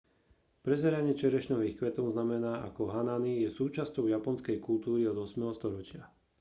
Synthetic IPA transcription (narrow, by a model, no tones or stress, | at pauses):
pɾɛzɛɾaɲɪɛt͡ʃɛɾɛʃnɔɦixkʋɛt̪ɔʊznamɛnaːʔa̰kɔɦananijɛsuːt͡ʃascɔʊjapɔnskɛjkult̪uːɾiɔd̪ɔsmɛɦɔst̪ɔɾɔt͡ʃɪa